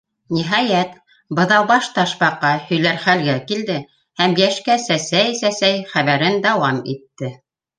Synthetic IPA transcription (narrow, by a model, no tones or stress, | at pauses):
nʲiɦɑjæt̪ | bɤ̆ðɑwbɑʃt̪ɑʃpɑqːɑhɵ̆jlæɾχælɡækild̪ɘ | hæmjæʃkæsæsæjsæsæjχæβæɾɘnd̪ɑwɑmḭt̪ːɘ